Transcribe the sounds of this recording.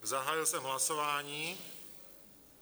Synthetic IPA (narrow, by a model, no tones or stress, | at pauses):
zaɦaːjɪlsɛmɦlasovaːɲiː